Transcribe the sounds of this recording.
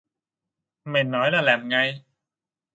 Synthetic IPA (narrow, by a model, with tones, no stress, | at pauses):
ma˨˩jnɔː˨˦˥jlaː˧˩lɛː˨˩m̚ŋa˧j